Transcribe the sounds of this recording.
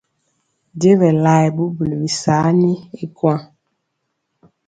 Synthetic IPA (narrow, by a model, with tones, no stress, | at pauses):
de˦vɛ˨la˨jɛ˨bu˦bu˨lbi˨sa˨˦ni˦e˦kwa˦